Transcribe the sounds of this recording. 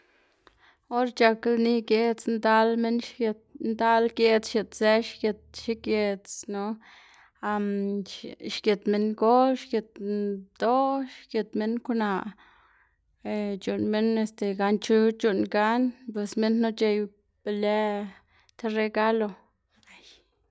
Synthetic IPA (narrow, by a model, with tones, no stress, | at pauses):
o˦ɾt͡ʃa˧klni˧ɡe˧t͡snd̪a˦lme˦n˧ | nd̪a˦lɡe˧t͡sʃe˨t̪se˦ʃɡe˧t̪̚ʃi˦kje˧t͡sno˧ | a˧m | ʃɡe˨t̪me˧nɡo˦ʃɡe˨t̪̚d̪̥o˦ʃɡe˨t̪me˦nku˦na˧˨ʔ | e˨t͡ʃu˨nme˦ne˧st̪e˨ɡa˧nt͡ʃu˦t͡ʃu˧nɡa˦npwe˨sme˦nno˦t͡ʃe˧j | b̥e˧le˦ | t̪ʰe˧re˧ɡa˦lo˧ | a˦j